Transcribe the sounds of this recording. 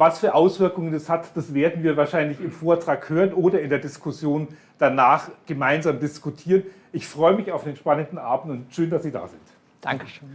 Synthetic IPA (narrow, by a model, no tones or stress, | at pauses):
vasfyːɐʔaʊsv̥ɪɐkʊŋəndashatd̥asv̥eːɐdn̩viːɐvaːɐʃaɪnlɪçɪmfoːɐtʁ̥aːkhøːʁənʔoːdɐɪndeːɐdɪskʰʊsjoːn | d̥anaːχɡ̥əmaɪnzaːmdɪskʊtʰiːʁən | ʔɪçfʁ̥ɔʏəmɪçaʊfd̥eːnʃpanəndn̩ʔa̰ːbm̩tʊntʃøːndasz̥iːda̰ːzɪnt | d̥aŋkəʃ